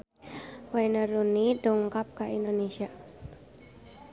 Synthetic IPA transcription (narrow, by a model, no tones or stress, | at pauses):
wajnəɾunidɔŋkap̚kaʔindonesia